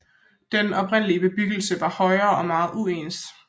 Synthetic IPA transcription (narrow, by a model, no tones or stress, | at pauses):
d̥enɒ̽pʰʁen̰əliəb̥e̝b̥yɡ̥l̩səʋɑ̈hɒ̽ɪɐːʔɒ̽mɑ̈ːð̞̩ˠueːnsd̥